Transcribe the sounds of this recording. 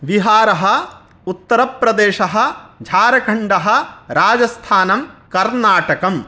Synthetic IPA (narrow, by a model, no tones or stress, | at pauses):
ʋiɦaːɾɐɦɐ̆ | ut̪ːɐɾɐpɾɐd̪eːʃɐɦɐ̆d͡ʒʱaːɾɐkʰɐɳɖɐɦɐ̆ɾaːd͡ʒɐst̪ʰaːnɐmkɐɾnaːʈɐkɐm